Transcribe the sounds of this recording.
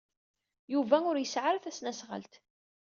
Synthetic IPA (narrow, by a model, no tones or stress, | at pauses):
juvæʊɾjəsʕaɾθæsnæsʁə̰lt̪